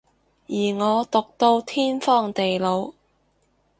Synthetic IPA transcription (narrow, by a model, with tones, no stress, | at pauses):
jiː˨˩ŋɔː˨˧t̪ʊ˨k̚t̪o˧wt̪ʰiː˥nfɔː˥ŋt̪e˨jlo˨˧w